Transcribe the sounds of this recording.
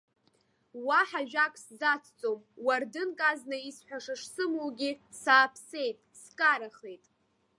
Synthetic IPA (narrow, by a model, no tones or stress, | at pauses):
waħaʒᶣakʼsd͡zat͡sʰt͡sʼo̞mwardɨnkʼaznaisħʷᶣaʂaʂsɨmuwɡʲisaːpʰse̞jtʼskʼaɾaχe̞jtʼ